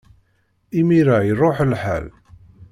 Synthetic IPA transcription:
imiɾajərˤoħlħa̰l

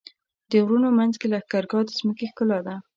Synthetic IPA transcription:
d̪̥əwɾunomanzkelaxkaɾɡɑd̪əzməkexkəlad̪a

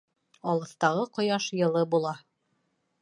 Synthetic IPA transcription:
ɑlˠɤ̆θt̪ɑʁɤqŏjɑʃjɤ̆lˠɤbulˠɑ

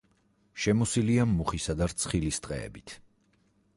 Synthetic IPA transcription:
ʃɛmɔsiliamːuχisad̪aɾt̪sʰχilist̪ʼqʼɛ̰ɛ̰bit̪ʰ

